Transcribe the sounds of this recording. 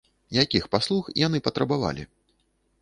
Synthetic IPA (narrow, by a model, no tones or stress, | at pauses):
jakʲixpaslˠuxḭjanɨpɐt̪ɾɐbava̰lʲḭ